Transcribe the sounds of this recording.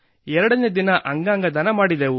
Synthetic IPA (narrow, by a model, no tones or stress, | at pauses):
ɛɾɐɽɐneːd̪inɐʔɐŋɡaːŋɡɐd̪ɐnɐmaːɽid̪eːʋu